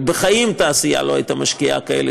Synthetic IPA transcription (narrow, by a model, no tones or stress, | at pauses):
beχajimt̪aːsija̰lohajt̪amaʃkija̰kaḛle